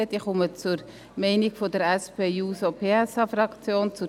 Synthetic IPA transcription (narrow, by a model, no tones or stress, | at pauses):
əd̥iːχɔmət͡sʊɾ | mɛɪnɪɡfodəɾɛspʰeːjuːsopʰeːɛsɑfɾɑkt͡sjoːnt͡sʊ